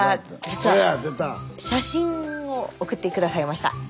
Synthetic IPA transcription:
ad͡ʑit͡sɨβaad̪et̪aɕaɕĩookɯ̟t̪ːe̞kɯ̟d̪asaimaɕi̥t̪a̰

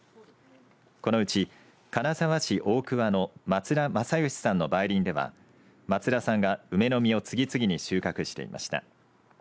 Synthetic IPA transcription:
ko̞no̞ɯ̟t͡ɕi | kanasaβaɕiʔo̞ːkɯ̟βano̞mat͡sɨɾamasajɯ̟ɕi̥sãnːo̞baiɾʲĩnd̪e̞βa̰ | mat͡sɨɾasãŋɡaɯ̟me̞no̞mʲio̞t͡sɨɡʲit͡sɨɡʲiɲ̟iɕɨːkakɯ̟ɕi̥t̪e̞̰ḭma̰ɕi̥t̪a̰

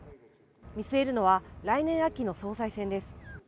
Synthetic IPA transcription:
mʲisɨe̞ɾɯ̟no̞βaɾainẽ̞ɰ̃akʲino̞so̞ːsaisẽ̞nd̪e̞sɨ̥

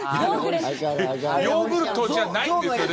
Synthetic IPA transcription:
joːbɯɾɯt̪od͡ʑanaie

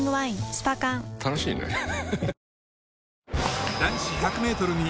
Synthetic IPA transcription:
ŋɡɯβaĩsɨ̥pakãŋt̪ʰanoɕḭːnḛ | d̪ãɰ̃ɕiçakɯ̟me̞ːt̪o̞ɾɯ̟ɲ̟i

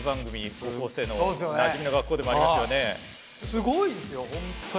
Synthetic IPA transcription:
baŋɡɯmikokos͈ʰenoosonnad͡ʑiminoɡak͈od̪emaimaaione̞ | sʰɯɡoisɯjoomt͡ɕʰo

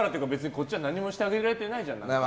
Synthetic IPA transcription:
ɾat̪ejɨ̟kabe̞t͡sɨɲiko̞t͡ɕːiβanãɲ̟ːimo̞ɕi̥t̪aɡʲe̞iɾaɾe̞t̪e̞naid͡ʑãnːa

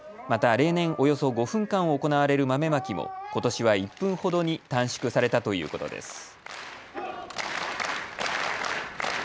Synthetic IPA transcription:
mat̪aɾe̞ːnẽ̞ɰ̃ʔo̞jo̞so̞ɡo̞ɸɯ̟̃ŋkãɰ̃oːko̞naβaɾe̞ɾɯ̟mame̞makʲimo̰ko̞t̪o̞ɕiβaipːɯ̟̃ɰ̃ho̞d̪o̞ɲ̟it̪ãɰ̃ɕi̥kɯ̟saɾe̞t̪at̪o̞jɯ̟̰ːko̞t̪o̞̰d̪e̞̰sɨ̥

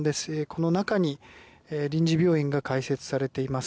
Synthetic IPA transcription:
d̪e̞sɨ̥ekʰo̞no̞nakaɲ̟i | eɾʲĩɲ̟d͡ʑibʲjo̞ːĩŋɡakaise̞t͡sɨ̥saɾe̞t̪e̞imas

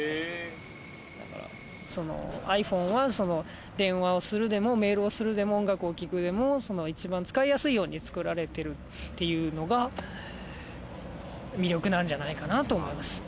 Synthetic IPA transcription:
e | d̪a̰ka̰ɾa̰ | so̞no̰aiɸõ̞ɰ̃βaso̞no̞ | d̪ẽ̞ɰ̃βao̞sɨɾɯ̟d̪e̞mo̞me̞ːɾɯ̟o̞sɨɾɯ̟d̪e̞mo̞õŋɡakɯ̟o̞kʲikɯ̟d̪e̞mo̞so̞no̞it͡ɕibãnt͡sɨ̥kaijasɨijo̞ːɲ̟it͡sɨ̥kɯ̟ɾaɾe̞t̪e̞ɾɯ̟ | t̪ːe̞jɯ̟ːno̞ɡa | mʲiɾʲo̞kɯ̟nãɲ̟d͡ʑanaikanat̪o̞ːmo̞imasɨ̥

